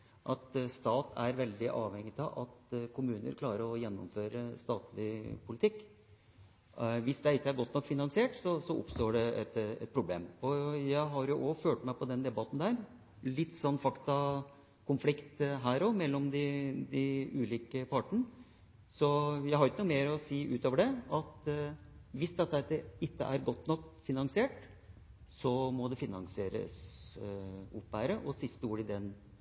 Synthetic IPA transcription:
ʔɑt̪st̪ɑːt̪ʰæɾʋɛld̪ɪʔɑːʋhɛŋːɪt̪ɑʋʔɑt̪kʰʊmʉːnə̰ɾkʰlɑːɾəɾɔjɛnːɔ̰mføːɾəst̪ɑːt̪lɪpʰʊlɪt̪ʰɪkː | ʋɪsd̪ɛɪkːəæɾɡɔt̪nɔkːfɪnɑŋsɪeːʈsɔsɔʔʊ̰pst̪oːɖɛɛt̪ɛ̰t̪̚pʰɾʊblḛːmɔjæɪɦɑɾjʊʔɔføːʈmæɪpʰɔd̪ɛnd̪ɛbɑt̪ːn̩d̪æːɾ | lɪt̪ːsɔnːfɑkt̪ɑ | kʰʊnflɪkt̪ɦæːɾɔmɛlːɔmd̪ɪd̪ɪʉːliːkəpʰɑʈəɳə | sɔjæɪhɑɾɪçkːəuːmeːɾɔsiːʔʉːt̪oːʋəɖɛɑt̪ | ʋɪsd̪ɛt̪ːəd̪əɪt̪ːə̰ʔæɾɡɔt̪ːnɔkfɪnɑŋsɪeːʈ | sɔmɔd̪ɛfɪnɑ̰ŋsɪeːɾə̰s | ʊpːʋæːɾəʔɔsɪst̪əuːɖɪd̪ɛn

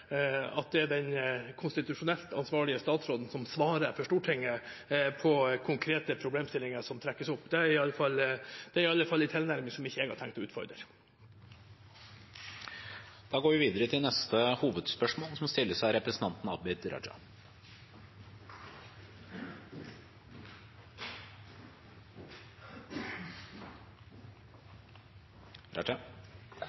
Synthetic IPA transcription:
ɑt̪̚d̪ɛæɖɛnkʰʊnst̪ɪt̪ʉʂʊnɛlt̪ʰɑ̰nsʋɑːɭɪəst̪ɑːt̪sɾoːd̪n̩sɔmsʋɑːɾəfɔʂʈuːʈʰɪŋːəpʰɔkʰʊŋkʰɾeːt̪əpʰɾʊbleːmst̪ɪlːɪŋəʂɔmt̪ʰɾɛkːəsʊpːd̪ɛæɾɪɑlːəfɑlːd̪̥ɛæɾɪɑlːəfɑlːɪt̪ʰɛlnæɾmɪsɔmɪçːəeːɡhɑːʈʰɛŋkt̪ɔʉːt̪fɔ̰ɾd̪ɾə̰ɾ | d̪̥ɑːɡoːɾʋɪʋiːd̪əɾət̪ʰɪlnɛst̪əhuːʋəd̪spœʂmoːlsɔmst̪ɪlːəʂæɪɾɛpɾəsn̩t̪ʰɑnt̪n̩ɑbɛt̪ɾɑ̰d͡ʒɑ̰ | ɾɑ̰ə

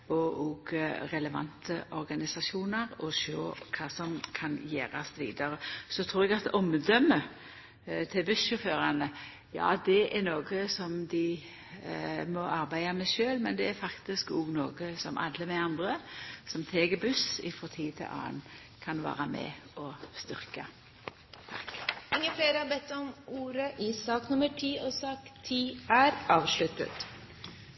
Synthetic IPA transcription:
ɔʔɔɡɾɛləʋɑ̰nt̪ʰəʔɔɾɡɑnɪsɑsuːnəɾɔʃø̰ːkʰɑːsɔmkʰɑnjeːɾɑsʋḭːd̪ɑɾəsɔt̪ʰɾuːɾɛɡɑt̪ɔmd̪œmːə | t̪ʰɪbʉsʃɔføːɾanə | jɑ̰ːd̪ɛʔæɾnoːɡəsɔmd̪ɪ | mɔʔɑɾbæɪɑmɛʃøːlmɛnd̪ɛæɾfɑkt̪ɪskɔɡnoːɡəsɔ̰mʔɑ̰d̪ləmɛɑnd̪ɾəsɔmt̪ʰeːɡəbʉsɪ̰fʁɔt̪ʰiːt̪ʰɪ̰ʔɑ̰ːə̰n | kʰɑnʋɑ̰ːɾəmɛ̰ɔst̪ʏɾkə | t̪ʰɑ̰kɪŋːəfleːɾəhɑbɛt̪ːɔmuːɾəʔiːsɑːknʊməʈʰiːɔsɑːkt̪ʰiːæɾɑːʋʃɭʉt̪ə̰t̪

